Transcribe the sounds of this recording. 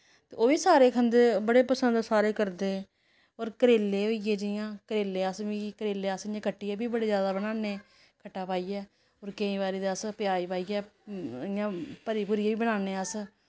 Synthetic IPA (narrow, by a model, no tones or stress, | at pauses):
t̪ḛːoːʋiːsaːɾeːkʰənd̪eːbəɽeːpəsənd̪saːɾeːkəɾd̪eː | oːɾkəɾeːlːeːɦoːieːd͡ʒəjãːkəɾeːleːəsʋiːkəɾeːleːəsɪjãːkʰəʈːiːɛːbiːbəɽeːzjaːd̪aːbənãːneː | kʰəʈːaːpaːiːɛː | oːɾkeĩːbaːɾiːd̪əspjaːiːpaːiːɛːjãːpəɾiːpuːɾiaːbiːbənaːneːəs